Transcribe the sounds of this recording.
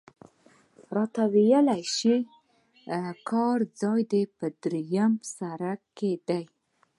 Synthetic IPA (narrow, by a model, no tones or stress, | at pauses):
ɾɑt̪awejəlajʃi | kʰɑɾd͡zɑjd̪epəd̪ɾejamsaɾaked̪aj